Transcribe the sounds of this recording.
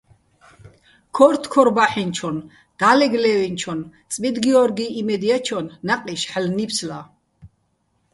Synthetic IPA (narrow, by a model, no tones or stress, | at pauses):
kʰɔɾt̪ʰkʰɔɾbaħint͡ʃʰɔn | d̪̥alɛɡlɛwint͡ʃʰɔnt̪t͡s̪ʼmid̪ɡiɔɾɡiːimɛd̪iat͡ʃʰɔnːaqʼiʃħlnipsla